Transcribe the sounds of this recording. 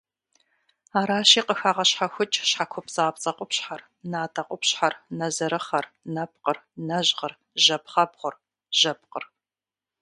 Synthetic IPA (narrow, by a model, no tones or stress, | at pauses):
aːɾaːɕiːqʼəxaːʁɐɕħaxʷʊt͡ʃʼɕħakʷʰɔpt͡sʼaːpt͡sʼɐqʷʊpɕħar | naːtʰʼɐqʷʼʊpɕħarnɐzɐɾɨχɐrnɐp̚qərnɐʑʁər | ʒɐpχɐbʁʷʊr | ʒ̥ɐp̚qə̰r